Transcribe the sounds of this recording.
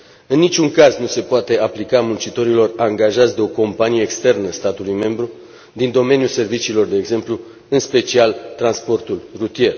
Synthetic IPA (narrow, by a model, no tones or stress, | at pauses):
ɨnːit͡ʃuŋkaznuse̞poat̪e̞aplikamunt͡ʃit̪o̞ɾilo̞raŋɡaʒat̪sʲd̪eo̞ko̞mpanije̞ːkst̪e̞rnəst̪at̪ulujme̞mbɾu | d̪ind̪o̞me̞njuse̞rvit͡ʃiːlo̞rd̪e̞ːɡze̞mplu | ɨnspe̞t͡ʃialt̪ɾanspo̞rt̪ulrut̪ije̞r